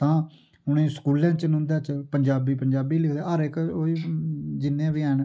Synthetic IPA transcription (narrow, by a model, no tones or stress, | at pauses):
t̪ãː | ʊñẽːskuːlãːt͡ʃənʊ̃nd̪aːt͡ʃpəɲd͡ʒaːbiːpəɲd͡ʒaːbiːlɪkʰd̪eːəɾɪkoiːd͡ʒɪnːẽːʋiaːn